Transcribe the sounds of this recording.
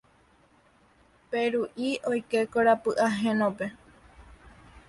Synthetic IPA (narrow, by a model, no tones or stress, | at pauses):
peɾuʔiʔojke̞koɾapɨʔaɦẽnõpe̞